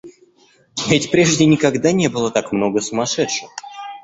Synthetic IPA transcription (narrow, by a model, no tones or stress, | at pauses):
vʲetʲpɾʲeʐdʲɪnʲɪkɐɡd̪anʲe̞bɨlˠət̪akmno̞ɡəsʊmɐʂɛt̪ʂɨx